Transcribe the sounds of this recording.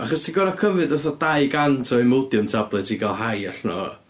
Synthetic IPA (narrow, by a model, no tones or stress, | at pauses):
aχɔstʰiɡɔɾakʰəmvɨdɔθɔdaɨɡantʰɔimodjʊmtʰablˠɛtʰiɡalˠɦajaɬnɔ̰